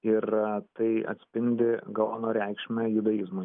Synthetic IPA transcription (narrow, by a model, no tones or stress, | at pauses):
ɪɾt̪ɐɪɐ̰t̪ʲsʲpʲɪnʲd̪ʲɪɡɐlˠːnoːɾʲɛɪkʃʲmʲɛjʊd̪ɐjizmu